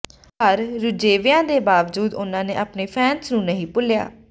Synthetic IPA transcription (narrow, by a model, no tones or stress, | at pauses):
əɾɾʊd͡ʒeːʋɪjãːd̪eːbaːʋd͡ʒuːd̪ʊnãːneːʔaːpneːpʰɛːnsnũːnəɦĩːpʊlɪja̰ː